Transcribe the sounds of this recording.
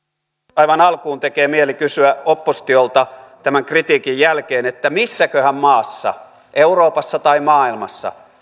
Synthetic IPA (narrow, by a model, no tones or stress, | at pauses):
ɑiʋɑnɑlkuːnt̪ekeːmielikysyæopːost̪iolt̪ɑt̪æmæŋkrit̪iːkijjælkeːnet̪ːæmisːækøhæmmɑːsːɑ̰ | ʔeuroːpɑsːɑt̪ɑimɑːilmɑsːɑ̰